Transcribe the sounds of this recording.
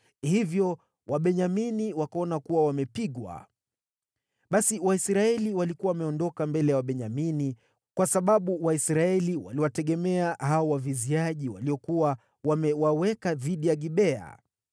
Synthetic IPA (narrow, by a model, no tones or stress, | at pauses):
hivjɔ | waɓɛɲaminiwakaɔnakuwawamɛpiɠwa̰ | ɓasiwaisɾaɛliwalikuwawamɛɔndɔkambɛlɛjawaɓɛɲamini | kwasaɓaɓuwaisɾaɛliwa̰liwatɛɠɛmɛaɦaɔwaviziaʄiwa̰liɔkuwa | wamɛwawɛkaðiɗijaɠiɓɛa̰